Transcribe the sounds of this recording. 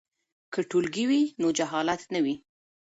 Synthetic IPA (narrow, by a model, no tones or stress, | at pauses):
kəʈulɡiwinod͡ʒaɦɑlat̪nəwi